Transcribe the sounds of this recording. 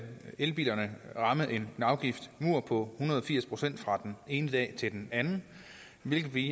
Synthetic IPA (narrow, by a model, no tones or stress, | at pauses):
elb̥ḭːlɐnəʁɑ̈məð̩ˠʔe̝nɑ̈ʊɡ̥ifd̥muɐ̰pʰɒ̽hunɐðˠɒfiɐ̰spʰʁo̝sen̰d̥fʁɑ̈d̥ene̝ːnəd̥ɛ̰ːt͡sʰe̝ld̥enænn̩ | ʋe̝lɡ̥ð̩ˠʋi